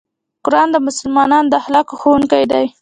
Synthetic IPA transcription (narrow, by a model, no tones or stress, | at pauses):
qʊɾɑnd̪əmʊsʊlmɑnɑnd̪əhlɑkoxowuŋkajd̪aj